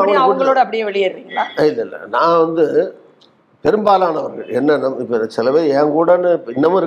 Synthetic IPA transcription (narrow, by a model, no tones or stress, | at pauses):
ɐɐʋɐŋɡɐɭoːɽɐɐpːɐɽɪjeːʋɛɭɪjeɾɯʋiːŋɡɐɭa̰ːɪlːɐɪlːɐ̰nãːʋɐnd̪ɯ | pɛɾɯmbaːlaːnɐʋɐɾɣɐɭɛnːɐnɐmːɪpːɐɪðɐsɪlɐʋeːɛːŋkuːɽɐnːɯpːɪnːɐmʊ̃ɪɾɯ